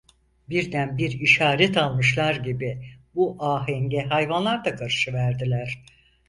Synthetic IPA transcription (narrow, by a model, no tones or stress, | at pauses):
biɾd̪ænbiɾiʃaːɾɛt̪ʰalˠmɯʃlˠaɾɟibibuʔaːɦɛŋɟɛɦajvanlˠaɾd̪akʰaɾɯʃɯvæɾd̪ilʲæɾ̥